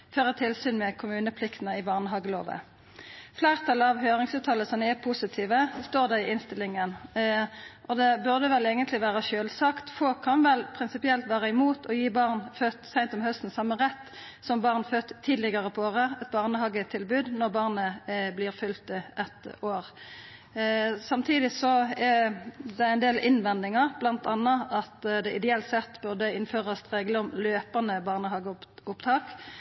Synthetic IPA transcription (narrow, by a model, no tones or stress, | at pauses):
føːʁət̪ʰɪlsyːnmɛkʰʊmʉːnəpʰlɪkt̪ənəɪbɑːʁnəɦɑɡəlo̰ːʋə̰ | flæːʁt̪ʰɑlɑʋhøːʁɪŋsʉːt̪ʰɑːləsɔmɛpʰusɪt̪ʰiːʋəst̪oːʁd̪æʁɪɪnst̪ɪlɪŋən | ʔɔd̪ɛbʉʁd̪əʋɛleːɡənt̪lɪʋæːʁəʃøːlsɑkt̪fɔlkʰːɑnʋɛlpʰʁɪnsɪpɪɛlt̪ʋæːʁəɪmuːt̪ʰɔjiːbɑʁnføːt̪sæɪnt̪ɔmhœst̪n̩sɑmːəʁɛt̪ː | sɔmbɑʁnføːt̪ʰːiːd̪lɪɡɑʁəpʰɔoːʁəɛt̪̚bɑːʁnəhɑɡət̪ʰɪlbʉːd̪nɔʁbɑːʁnəblɪːʁfʏlt̪əʔɛt̪oːʁ | sɑmt̪ʰiːd̪ɪsɔɛd̪ɛæʁɛnd̪eːlʔɪnʋɛnd̪ɪŋɑʁblɑnt̪ɑnːɑɑt̪d̪ɛʔɪd̪ɛɛlt̪sɛt̪ːbʉʁd̪əɪnføːʁɑst̪ʁeːɡləɔmløːpɑnəbɑːʁnəhɑːɡəʊpt̪ʰɑːk